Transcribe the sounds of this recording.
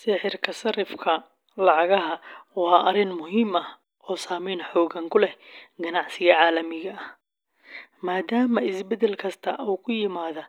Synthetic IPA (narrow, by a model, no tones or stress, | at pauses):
sɪħɪrkʰɐsɐɾɪfkʰɐ | lɑʕɑɣɐɦɐwɑːʔɐrɪnmʊɦiːmɐh | ɔːsaːmɛjnħɔːɣɐŋkʰʊlɛhɡɐnɑʕsɪɣɐʕɑːlɐmɪɣɐːh | maːd̪aːmɐɪsbɛd̪ɛlkʰɐst̪ʰɐʔuːkʰʊjɪmaːðɐ